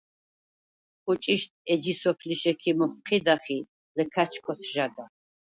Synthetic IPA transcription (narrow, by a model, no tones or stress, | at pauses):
qʼʊt͡ʃʼiʃt̪̚ʰʼɛd͡ʒisɔpʰliʃɛkʰimɔp̚qʰid̪aχi | lɨkʰat͡ʃʰkʷʰɔtʰʒada